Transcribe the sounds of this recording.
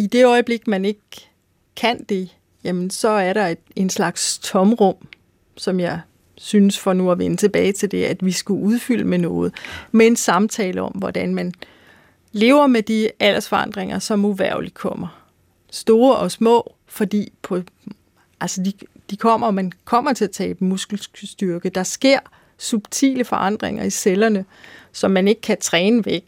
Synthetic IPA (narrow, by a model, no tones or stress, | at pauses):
id̥e̝ɒ̽ɪb̥le̝ɡ̥mæne̝ɡ̥ | kʰːæn̰d̥e̝ | jæmənsɒ̽æɐɾɑ̈e̝d̥e̝nslɑ̈ɡ̥st͡sʰɒ̽mʁɔ̽m̰ | sɒ̽mjɑ̈ɪ | synəsfɒnuæʋenət͡sʰe̝b̥ɛːɪt͡sʰe̝ld̥e̝æd̥ʋisɡ̥uʔuð̞ˠfyl̰əmenɔ̽ːð̞̩ˠmee̝nsɑ̈mt͡sʰɛːləɒ̽m̰ʋɒd̥ænmæn | le̝̰ːʊɐmed̥iæl̰ɐsfɒ̽ɑ̈n̰d̥ʁeŋɐsɒ̽muʋæɐ̰li̥kʰɒ̽m̰ɐ | sd̥o̝ːɐʔɒ̽smɔ̰̽ː | fɒ̽d̥ḭːpʰɒ̽ | ʔælsəd̥i | d̥ikʰɒ̽m̰ɐɒmænkʰɒ̽m̰ɐt͡sʰe̝æt͡sʰɛ̰ːb̥musɡ̥l̩sd̥yɐɡ̥əd̥ɑ̈sɡ̥e̝ɐ̰ | sub̥̚t͡sʰḭːləfɒ̽ʔɑ̈n̰d̥ʁḛŋɐiselɐnə | sɒ̽mːæne̝ɡ̥ə̥kʰæt͡sʰʁɛːnəʋeɡ̥